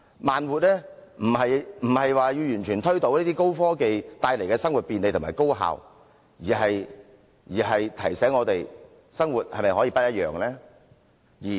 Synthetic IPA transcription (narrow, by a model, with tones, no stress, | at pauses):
maː˨nwuː˨t̚lɛː˥m̩˨˩hɐ˨jm̩˨˩hɐ˨jwaː˨ji˧wjyː˨˩nt͡ʃʰyː˨˩nt̪ʰɵ˥t̪o˨˧wliː˥t̪iː˥ko˥wfɔː˥ke˨jt̪aː˧jle˨˩kɛː˧sɐ˥ŋwu˨t̚piː˨nle˨˧t̪ʰʊ˨˩aː˨˩jko˥wɦa̰ː˨˧w | jiː˨˩ɦɐ˨j | jiː˨˩hɐ˨jt̪ʰɐ˨˩jsɛː˨˥ŋɔː˨˧t̪e˨j | sɐ˥ŋwu˨t̚hɐ̰˨jmɐ˨jɦɔː˨˥jiː˧pɐ˥jɐ˥t̚jœ̰ː˨ŋlɛː˥ | jiː˨˩